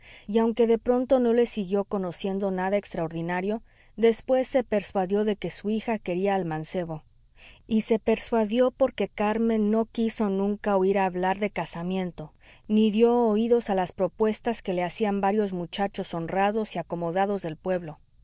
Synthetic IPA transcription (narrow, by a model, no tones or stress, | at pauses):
iawŋke̞ðe̞pɾo̞nt̪o̞no̞le̞siɣjo̞ko̞no̞sje̞nd̪o̞naðaekst̪ɾaoɾðinaɾjo̞ | ðe̞spwe̞sːe̞pe̞ɾswaðjo̞ðe̞ke̞suixake̞ɾiaːlmãnse̞βo̞ | ise̞pe̞ɾswaðjo̞po̞ɾke̞kaɾmẽ̞nːo̞kiso̞nũŋkaoiɾaːβlaɾðe̞kasamjẽ̞nt̪o̞ | niðjo̞ːiðo̞salaspɾo̞pwe̞st̪aske̞le̞asiambaɾjo̞zmut͡ʃat͡ʃo̞so̞nraðo̞siako̞mo̞ðaðo̞zðe̞lpwe̞βlo̞